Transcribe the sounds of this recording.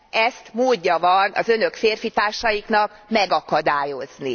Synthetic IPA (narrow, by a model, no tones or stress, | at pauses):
ʔɛst̪moːɟːɒvɒnɒ̰zø̞nø̞kfeːrfit̪aːrʃɒjikn̪ɒk | mɛɡɒkɒd̪aːjo̞zni